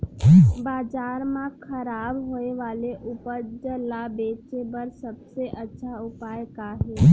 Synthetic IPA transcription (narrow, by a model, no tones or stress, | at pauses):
baːd͡ʒaːɾmãkʰəɾaːbɦoːeʋaːleʔʊpəɾd͡ʒəlabeːt͡ʃebəɾsəbseʔɐtːʃʰaʊpaːjkaːɦeː